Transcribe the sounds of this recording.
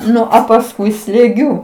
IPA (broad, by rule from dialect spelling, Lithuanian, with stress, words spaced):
ˈnʊ ɐ pɐsˈkʊɪ sʲlʲeːˈɡʲʊ